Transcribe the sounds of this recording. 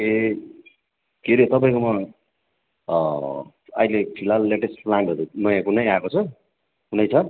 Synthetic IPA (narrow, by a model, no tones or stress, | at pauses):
e | keɾet̪ʌpaĩkomʌ | ʌ̰ilepʰilalːeʈesʈplaɳʈʌɾunʌjãkunʌjakot͡sʰʌ | kunʌjt͡sʰʌ